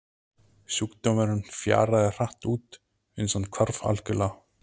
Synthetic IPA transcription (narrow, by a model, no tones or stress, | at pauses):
sjukt̪ɔmɛɾʏnfja̰ːɾaðɪr̥aht̪uːt̪ | ʏnsankʰaɾfa̰lcʏla